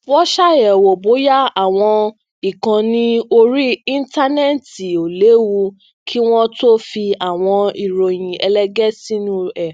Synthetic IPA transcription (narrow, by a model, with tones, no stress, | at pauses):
wɔ˦ʃa˦˨ɛ˨wo˨bo˨˦ja˦a˦˨w̃ɔ̃˧ | i˦˨kã˨˧nĩ˦o˧ɾi˦ĩ˦n˦ta˦nɛ˦˨ti˨o˨le˨˦wu˧ | kʰi˦w̃ɔ̃˦to˦fi˧a˨w̃ɔ̃˧i˨ɾo˨j̃ĩ˨ɛ˧lɛ˦˧ɡɛ˦si˦nũ˦ɛ˦˨